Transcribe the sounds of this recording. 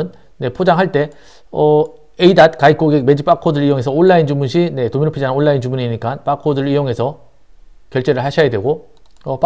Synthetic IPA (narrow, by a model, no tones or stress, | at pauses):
ɯn | ne̞pʰod͡ʑaŋɦaɭt͈e̞ | ʌ | eidat̚kaik͈̚oɡek̚me̞d͡ʑip͈akʰodɯɾijoŋe̞sʰʌoɭːaind͡ʑumunɕʰine̞tominɯpʰid͡ʑannoɭːaint͡ɕumuɲiɲik͈anp͈akʰodɯɾijoŋe̞sʰʌ | kjʌɭt͡ɕ͈e̞ɾɯɭhaɕʰʌjadwe̞ɡo | ʌp͈